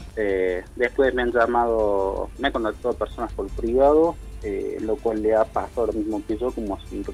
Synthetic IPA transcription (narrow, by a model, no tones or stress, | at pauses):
ed̪espwesmeanʒamað̞omeakont̪ak̚t̪aðoapeɾsonaspolpɾiβaðo | ḛlokwalːeapa̰saðooɾamizmokeʒokomoasun